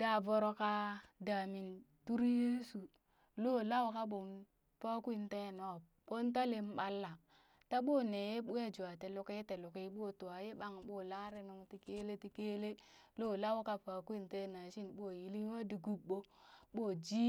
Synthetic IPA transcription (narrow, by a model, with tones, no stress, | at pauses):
da˦˨vo˦ɾo˦ka˦da˨mi˨ntu˦ɾje˦su˨ | lo˦˨la˦wo˦ka˦ɓo˨n | pa˦kʷi˦nte˦˨no˨ | ɓo˦nta˦le˦m˦ɓa˦lːa˨ | ta˦ɓo˦ne˨je˦ɓu˦je˦d͡ʒu˨a˨te˨lo˨ke˦te˨lo˨ke˦ɓo˦˨tu˨a˨je˦ɓa˦ŋɓo˦˨la˦ɾe˦nu˨ŋti˨ke˦le˦ti˨ke˦le˦lo˦la˦wo˦ka˦pa˨kʷi˦˨nte˦˨na˨ʃi˦nɓo˦˨ji˦li˦wa˦di˨ɡu˦ɓo˦ɓo˦˨d͡ʒi˦